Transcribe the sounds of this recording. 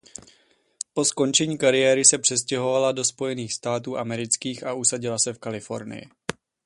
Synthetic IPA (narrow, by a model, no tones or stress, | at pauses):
po̞sko̞nt͡ʃɛɲiːkaɾɪjɛːɾɪsɛpr̥ɛs̬cɛɦo̞valado̞spo̞jɛniːxst̪aːt̪uːʔamɛɾɪt͡skiːxaʔusaɟɪlasɛfkalɪfo̞̰ɾnɪ̰jɪ̰